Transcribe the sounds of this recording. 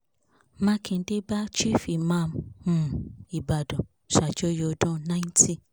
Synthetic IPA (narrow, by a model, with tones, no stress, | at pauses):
mã˦kʰĩ˧n̩˦de˦ba˦t͡ʃi˦fi˨mã˦˧mmũ˨i˨ba˨dɔ̃˨ | ʃa˨d͡ʒo˦jo˧dɔ̃˦nã˦ĩ˦ntʰi˧